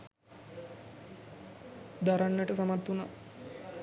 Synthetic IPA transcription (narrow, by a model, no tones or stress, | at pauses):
d̪aɾanːəʈəsamat̪ːuna